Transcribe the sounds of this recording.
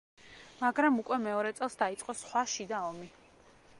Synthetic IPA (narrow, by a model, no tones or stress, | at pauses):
maɡɾamukʼwɛmɛɔɾɛt̪sʼɛlˠsd̪ait̪sʼqʼɔsχwaʃid̪aɔmi